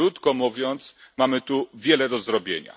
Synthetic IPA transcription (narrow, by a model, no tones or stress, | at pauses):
ut̪kɔmuvʲjɔnt̪smamɘt̪uvʲjɛlɛd̪ɔzɾɔbʲjḛɲa̰